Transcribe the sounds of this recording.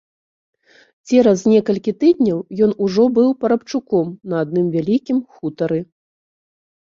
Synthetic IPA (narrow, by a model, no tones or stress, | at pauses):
t͡sʲɛɾɐznʲɛkɐlʲkʲit̪ɨd̪ʲnʲɐwjɔnuʐɔbɨwpɐɾɐpt͡ʂukɔmnɐad̪nɨmvʲalʲikʲimxut̪ɐɾɨ